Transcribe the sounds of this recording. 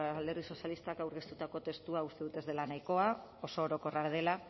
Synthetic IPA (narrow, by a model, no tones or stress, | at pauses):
ld̪e̞rɣiso̞sjalist̪akawɾɣest̪ut̪ako̞t̪e̞st̪uaust̪e̞ðut̪e̞zðe̞lanajko̞a | o̞so̞ːɾo̞ko̞raɾð̞ela